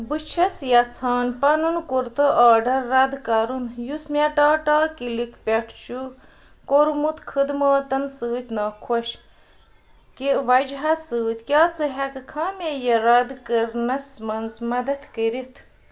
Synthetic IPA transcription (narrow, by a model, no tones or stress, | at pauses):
bɨt͡ʃʰɐsjɐt͡sʰaːnpɐnunkuɾt̪ɨʔaːɖɐɾːɐd̪kɐɾunjusmʲɛʈaːʈaːkilikʰpʲɛʈʰt͡ʃu | koɾmut̪kʰəd̪moːt̪ɐnsɨːt̪ʲnɐːkʰoʃ | kiʋɐd͡ʒɦɐsɨːt̪ʲkʲjaːt͡sɨɦɛkkʰaːmʲejɐɾɐd̪kəɾnɐsmɐnzmɐd̪ɐt̪kəɾit̪ʰ